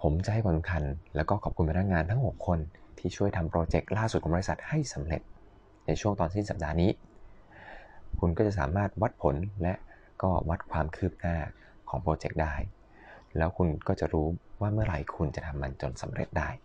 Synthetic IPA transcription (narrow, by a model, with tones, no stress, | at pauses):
pʰo˩˦mt͡ɕa˨˩ʔha˥˩jkʰa˨˥˩sa˦ŋkʰa˧nlɛː˦˥wkɔː˥˩kʰɔː˨˩p̚ku˧npa˧na˥k̚ŋaː˧nt̪ʰa˦˥ŋbu˨˩kʰːo˧nt̪ʰiː˥˩t͡ɕʰu˥˩əjt̪ʰa˧mpɾoː˧t͡ɕe˨˩k̚laː˥˩su˨˩kʰːbɔ˧i˧sa˨˩t̪̚ha˥˩jsa˩˦mɾḛ˨˩t̪̚ | na˧jt͡ɕʰu˥˩ŋt̪ɔː˧nsi˥˩nsa˨˩p̚daː˧niː˦˥ | kʰu˧nkɔː˥˩t͡ɕa˨˩saː˩˦maː˥˩t̪̚wa˦˥t̪̚pʰo˨˩˦nlɛ˦˥ʔ | kɔː˥˩wa˦˥t̪̚kʰwaː˧mkʰɯː˥˩p̚naː˥˩ | kʰɔː˩˦ŋpɾoː˧t͡ɕe˨˩k̚daː˥˩j | lɛː˦˥wkʰu˧nkɔː˥˩t͡ɕa̰˨˩ʔɾuː˦˥waː˥˩mɯ˥˩ɐɾa̰˧jkʰu˧nt͡ɕa˨˩t̪ʰa˧mːa˧nt͡ɕo˧nsa˩˦mɾḛ˨˩t̪̚daː˥˩j